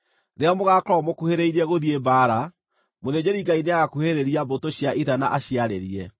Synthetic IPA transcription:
ɾeamoɣakɾɔmokuheɾeiɾɛɣoðiebaːɾa | moðed͡ʑeɾiɡaineaɣakuheɾeɾiabotoɕjaʔiðana̰ʔaɕjaɾḛɾiɛ

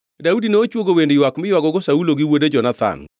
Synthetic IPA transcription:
daudineot͡ʃwoɡowendjwakmɪjwaɡɔɡosauloɡiwoded͡ʒɔnat̪a̰n

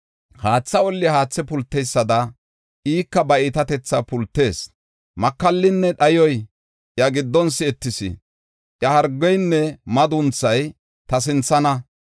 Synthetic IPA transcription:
haːt͡sːɐɔlːɪhaːt͡sːɛpʊlt̪ːɛjsːɐd̪ɐ | ʔiːkːɐbɐiːt̪ɐt̪ɛt͡sːɐpʊlt̪ːe̞ːs | mɐkːɐlːɪnːɛɗɐjɔj | ʔjɐɡɪd̪ːɔnsɪɛt̪ːɪsɪ̰ | ʔjɐhɐɾɡːɔjnːɛmɐd̪ʊnt͡sːɐj | t̪ɐs̬ɪnt͡sːɐnɐ

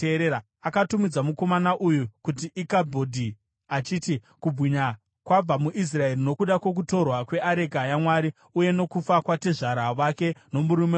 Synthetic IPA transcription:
eɾeɾa | akatumid͡zamuko̞manaʔujukutiʔikabʱodʱi | at͡ʃiːti | kubʱwiɲa | kwab͡vamuʔis̬rae̞rino̞kuɗakwo̞k̬uto̞rwakwe̞ʔaɾe̞kajamwaɾi | uje̞no̞kufakwateʐaɾaʋake̞no̞muɾume

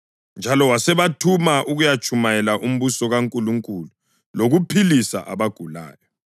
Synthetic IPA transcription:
nd͡ʒʱalɔwasɛβatʰumaʔuɣujat͡ʃʰʼumajɛlaʔum̩βusɔɣaŋkʼuluŋkʼulu | loɣupʰilisa̰ʔa̰βaɡ̥ʱula̰ːjɔ

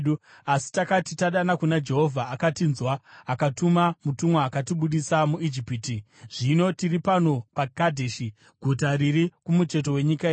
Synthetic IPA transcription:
u | asi̥takatitaɗanakunad͡ʒe̞ɦo̞vʱaːkatinzwaːkatumamutumwaːkatiɓuɗisamuid͡ʒipiti | ʐ̥ino̞tiripano̞pakadʱeʃi | ɡʱutaɾiɾikumut͡ʃe̞t̬o̞we̞ɲikae

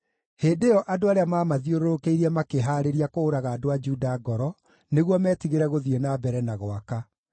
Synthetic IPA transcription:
heːdejɔʔadoaɾeamaːmaðioɾoɾokeiɾɛmakeɦaːɾeɾiakoːɾaɣaːdoad͡ʒuːdaɡɔɾɔ | neɣwɔmɛtiɣeɾɛɣoðienabɛɾɛnaɣwaka

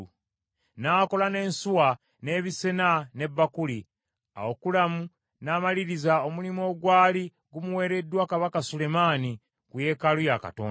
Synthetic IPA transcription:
naːko̞lane̞ːnsuwa | ne̞ːβise̞nane̞bːakuli | a̰okulamu | naːmaliɾizaomulimo̞ːɡwaːli | ɡumuwe̞ːɾe̞dːwakaβakasule̞maːni | kuje̞kalujaka̰to̰ːn

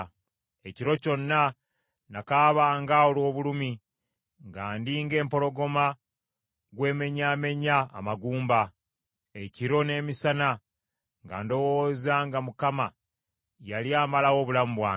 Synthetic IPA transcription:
e̞ciɾo̞co̞nːa | nakaːβaŋɡawolwo̞ːβulumi | ŋɡaːndiŋɡe̞ːmpo̞ɾo̞ɡo̞ma | ɡwe̞ːme̞ɲaːme̞ɲa̰ːmaɡuːmba | e̞ciɾo̞ne̞ːmisana | ŋɡa̰ːndo̞woːzaŋɡamukama | jaliaːmalawo̞ːβulamuβwaː

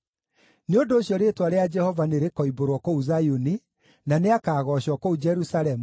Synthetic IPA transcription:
neondoːɕjɔɾetwaɾead͡ʒɛhɔvaneɾekɔiboɾwɔkouzajuni | naneakaːɣɔɕɔkoud͡ʒɛɾusaɾɛmu

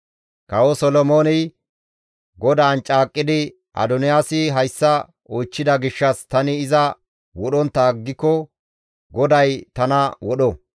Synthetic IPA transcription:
kɐwɔsɔlɔmo̞ːnɪ | ɡɔd̪aːnt͡ʃʼaːkʼːɪd̪ɪ | ʔɐ̰d̪ɔnɪjaːsɪɦɐjsːɐ | ɔjt͡ʃːɪd̪ɐɡɪʃːɐst̪ɐnɪːzɐ | wɔɗɔnt̪ːɐɡːɪkːɔ | ɡɔd̪ɐjt̪ɐnɐwɔɗɔ

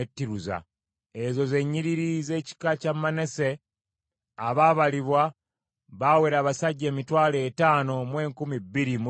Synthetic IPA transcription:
etːiɾuza̰ | ezo̞ze̞ɲːiɾiɾize̞ːci̥kacamane̞se̞ | aβaβaliβwa | βaweɾaːβasaɟːe̞ːmitwaːleːtaːno̞mwe̞ːŋkumibːiɾimu

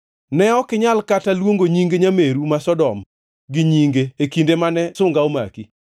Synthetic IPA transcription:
nɛɔkɪɲalkatalwoŋɡoɲiŋɡeɲameɾumasɔdɔm | ɡɪɲiŋɡeekindemanɛsʊŋɡaoma̰ki

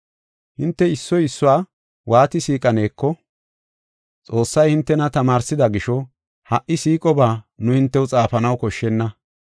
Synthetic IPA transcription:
hɪnt̪ːɛɪsːɔjɪsːʊwaː | wʔaːt̪ɪsiːkʼɐne̞ːkːɔ | t͡sʼo̞ːsːɐjhɪnt̪ːɛnɐt̪ɐmaːɾsɪd̪ɐɡɪʃɔ | hɐʔɪsiːkʼɔbaːnʊhɪnt̪ːɛwt͡sʼaːfɐnɐwkɔʃːɛnːɐ

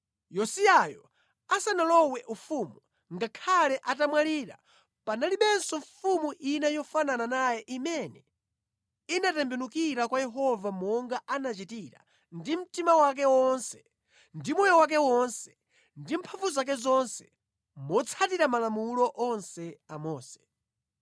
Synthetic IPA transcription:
jɔsiajɔ | asanalɔwɛʔufumu | ŋɡakʰalɛʔatamwaliːɾa̰ | panaliɓɛnsɔɱfumuʔinajɔfanananajɛʔimɛnɛ | inatɛmbɛnukiɾakwajɛɦɔvamɔŋɡaʔanat͡ʃitiɾa̰ | ndim̩timawak̬ɛwɔnsɛ̥ | ndimɔjɔwak̬ɛwɔnsɛ̥ | ndim̩pʰaɱvuzak̬ɛzɔnsɛ | mɔt͡sʰatiɾamalamulɔʔɔnsɛamɔːsɛ̥

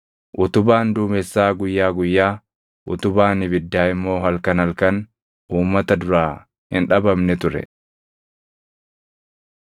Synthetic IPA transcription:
ʔʊt̪ʊbaːnd̪uːmɛsːaːɡʊjːaːɡʊjːaː | ʔʊt̪ʊbaːnɪbɪd̪ːaːɪmːo̞ːɦɐlkɐnɐlkɐn | ʔuːmːɐt̪ɐd̪ʊɾaː | hɪnᶑɐbɐmnɛt̪ʊɾɛ̰

